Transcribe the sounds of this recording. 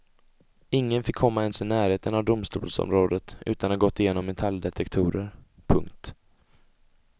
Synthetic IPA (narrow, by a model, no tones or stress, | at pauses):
ɪŋːənfɪkʰːɔmːaɛnsɪnæːɾheːt̪ənavd̪ʊmst̪ṵːlsɔ̰mɾoːd̪ət̪ʔʉ̟̰ːt̪anhaɡɔt̪ːɪjeːnɔmːɛt̪ʰald̪ɛt̪ʰɛkt̪ʰuːɾəɾpʰɵ̰ŋk̚t̪